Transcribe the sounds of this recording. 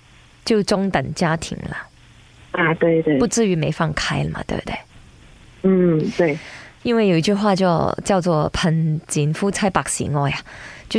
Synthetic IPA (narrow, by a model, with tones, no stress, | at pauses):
t͡ɕjo˥˩ʊʈ͡ʂʊ˥ŋt̪ə˨˩ŋt͡ɕja˥t̪ʰḭ˧˥ŋlə̰˧ | a˧t̪we˥˧ɪt̪we˥˩pu˥˧t͡sɹ̩˥˩y˧˥me˧˥ɪfɑ˥˩ŋkʰa˥ɪlə˨mɐ̰˨˩t̪wḛ˥˧˩t̪wḛ˥˩ɪ | n̩˥˩t̪we˥˩ɪi˥nwe˥˩jo˨˩ʊi˧˩t͡ɕy˥˧xwa˥˧t͡ɕjo˥˧ʊt͡ɕjɑ˥˧ʊt͡swɔ˥˧pʰə˧˥nt͡ɕi˧˥nfu˥t͡sʰa˥˩ɪpa˨˩k̚sḭ˧˥ŋɔ˥˩ja˨t͡ɕjo˥˧˩